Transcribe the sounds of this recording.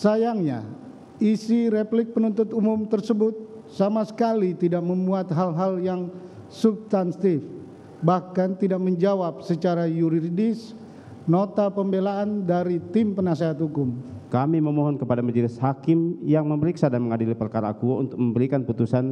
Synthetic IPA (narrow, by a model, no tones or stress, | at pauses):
sajaŋɲa̰ | isiɾeplɪk̚pənunt̪ʊt̪umʊmt̪ərsəbʊt̪̚ | samasə̥kalit̪idak̚məmuat̪̚ɦalɦaljaŋ | supst̪anst̪ɪf | bahkant̪idak̚məɲd͡ʒawap̚sət͡ʃaɾajuɾiɾidɪs | not̪apəmbelaʔandaɾit̪ɪmpənaseɦat̪hukʊmkamiməmoɦɔnkəpadamad͡ʒəlɪshakɪmjaŋməməɾiksadaməŋadilipərkaɾa̰kuṵnt̪ʊk̚məmbəɾikanput̪usan